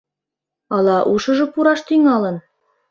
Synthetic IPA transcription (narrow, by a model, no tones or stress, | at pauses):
ɑlˠɑʔuʃɤ̆ʒɤ̆puɾɑʃt̪yŋɑlɤ̆n